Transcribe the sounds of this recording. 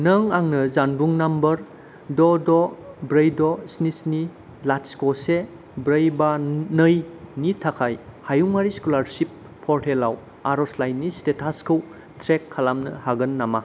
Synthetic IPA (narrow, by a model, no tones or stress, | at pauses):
nəŋaŋnɐzanbuŋnambəɾ | dɔdɔbɾəjdɔsnisni | latskɔse | bɾəjbanəjnitʰakʰajhajuŋaɾiskulaɾsipʰː | ɔɾtʰelaw | aɾɔslajnːistetʰaskʰɯw | tʰɾekʰːalamnɯhaɡɯnːama